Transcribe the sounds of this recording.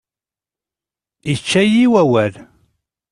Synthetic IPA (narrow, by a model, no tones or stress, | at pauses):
it͡ʃːæjiwæwæl